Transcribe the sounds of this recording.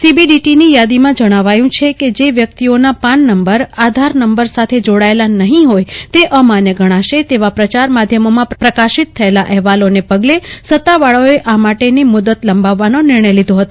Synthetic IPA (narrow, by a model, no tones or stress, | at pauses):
sibiɖiʈinijad̪imãd͡ʒəɽ̃aʋajũt͡ʃʰeked͡ʒeʋjək̚t̪ionapaɳːəmbəɾad̪ʱaɾnəmbəɾsat̪ʰed͡ʒoɽaelanəɦĩɦojt̪eʔəmanjəɡʱəɽ̃ãʃet̪eʋapɾət͡ʃaɾmad̪ʱjəmomãpɾəkaʃɪt̪ʰːəelaʔɛɦʋalonepəɡlesət̪ːaʋaɭoeʔamaʈenimʊd̪ət̪ləmbaʋːanonɪɾɳəjlid̪ʱoɦət̪o